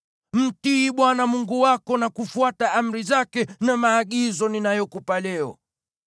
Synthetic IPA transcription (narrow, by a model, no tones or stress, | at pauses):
m̩tiɓwanamuŋɡuwakɔnakufuataam̩ɾizakɛnamaːɠizɔninajɔkupalɛɔ̰